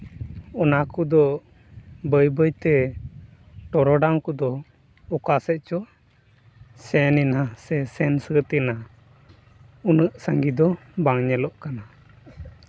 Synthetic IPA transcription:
ɔnakud̪ɔ | bəjbəjt̪ɛ | ʈɔɾɔɖaŋkud̪ɔ | ɔkasɛʔ̚t͡ʃɔ | sɛninasɛsɛnsət̪ina | unəʔsaŋɡid̪ɔ | baŋɲɛlɔʔkana

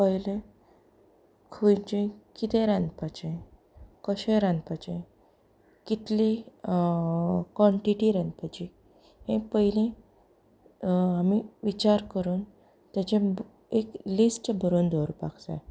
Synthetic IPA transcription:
pəjlẽ | kʰujd͡ʑẽkit̪ẽɾãnd̪pat͡ɕẽ | kəɕẽɾãnd̪pət͡ɕẽ | kit̪li | kʋɔ̃ɳʈiʈiɾanpət͡ɕi | ɦẽpəɦilẽ | amiʋit͡ɕaɾkəɾuːn | t̪jat͡ɕẽ | eklisʈbʱəɾuːnd̪ʱoɾpa̰kt͡sa̰j

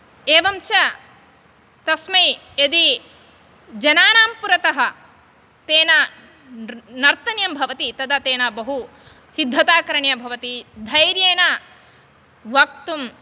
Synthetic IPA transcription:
eːʋɐmt͡ʃɐ | t̪ɐsmɐj | ed̪i | d͡ʒɐnaːnaːmpuɾɐt̪ɐɦɐ̆ | t̪eːnɐ | nɐɾt̪ɐnjɐmbʱɐʋɐt̪it̪ɐd̪ɐt̪eːnɐbɐɦu | sid̪ʱːɐt̪aːkɐɾɐɳjɐbʱɐʋɐt̪id̪ʱɐjɾjeːnɐ | ʋɐk̚t̪um

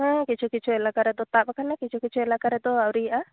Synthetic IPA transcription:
ãkit͡ʃʰukit͡ʃʰɔɛlaɡaɾɛd̪ɔt̪aʔbakanakit͡ʃʰukit͡ʃuɛlaɡaɾɛd̪ɔawɾiʔa

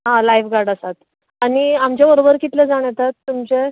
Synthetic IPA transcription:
ɦãlajfɡaɾɖəsat̪ | aɽ̃iamt͡ɕjaʋəɾobəɾkit̪led͡zaɽ̃jet̪at̪ːumt͡ɕe

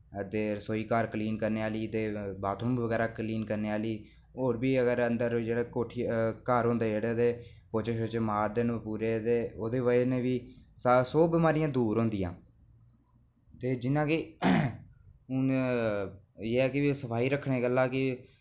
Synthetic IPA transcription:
ət̪eːsoːiːkaɾkəliːnkəɾneːaːliːt̪eːbaːt̪ʰõːmʋəɡɛːɾaːkəliːnkəɾneːaːliː | oːɾbiːəɡəɾənd̪əɾd͡ʒeːɽeːkoːʈʰːkaɾɦõːnd̪eːd͡ʒeːɽeːd̪eː | poːt͡ʃeʃot͡ʃːmaːɾd̪eːnpuːɾeːt̪eːoːd̪eːʋənẽːʋiːssoːbɪmaːɾɪjãːd̪uːɾɦõːnd̪ɪjãː | t̪eːd͡ʒɪnːãːkɪ | ʊn | jeːɛːkɪʋisəpʰaːiːɾəkʰːɳeːɡəlːaːkɪ

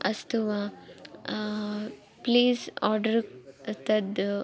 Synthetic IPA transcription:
ɐst̪uʋa | pliːsɔːɾɖɐɾkɐt̪ɐd̪

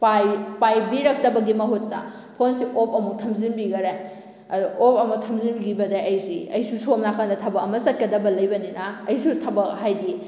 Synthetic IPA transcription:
pajpajbiɾɐk̚tɐbɐɡimɐɦutːɐ̰ | pʰonsiʔop̚ɐmuk̚tʰɐmzinbiɡɐɾe | ɐduʔopɐmɐtʰɐmzinbiɡibɐdɐɐjsḭɐjsusomnakʰandɐtʰɐbɐkɐmɐsɐt̚kɐdɐbɐlɐjbɐninɐːjsutʰɐbɐkhajdi

